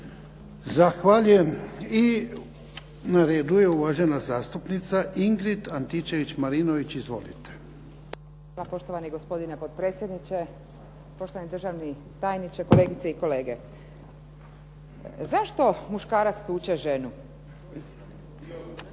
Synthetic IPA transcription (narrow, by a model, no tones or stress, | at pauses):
zaxʋaʎujemi | naɾeːd̪ujeuʋaʒenazaːst̪upnit̪saʔiŋɡɾit̪ant̪it͡ʃeʋit͡ɕmaɾinoʋit͡ɕizʋo̞̰lḭt̪e̥ | alapo̞ʃt̪o̞ʋaniɡo̞spo̞d̪inepot̪̚pɾet̪sʲje̞d̪nit͡ʃe | poʃt̪oʋanid̪ɾr̩ʒaʋni | t̪aːjnit͡ʃeko̞leːɡit̪seiko̞leːɡe̞ | zaʃt̪o̞muʃkaːɾat̪st̪uːt͡ɕeʒe̞nu